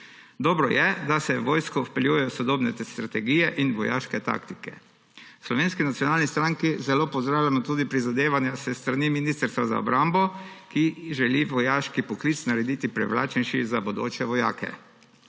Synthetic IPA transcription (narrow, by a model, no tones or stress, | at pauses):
d̪ɔːbɾɔjɛd̪asɛʋoːjskɔfpɛljujɛjɔsɔd̪oːbnɛst̪ɾat̪ɛɡijɛʔinʋɔja̰ːʃkɛt̪a̰kt̪ikɛ̰ | slɔʋeːnskinat̪sjɔnaːlnist̪ɾaŋkizɛloːpɔwzd̪ɾaːwljamɔt̪uːd̪ipɾizad̪eːʋanjasɛst̪ɾaniminiːst̪ɾst̪ʋaza̰ɔ̰bɾambɔkiʒɛliʋɔjaːʃkipɔklit̪snaɾɛd̪iːt̪ipɾɛ̰ʋla̰ːt͡ʃɛnʃizabod̪o̰ːt͡ʃɛʋɔja̰ːkɛ̰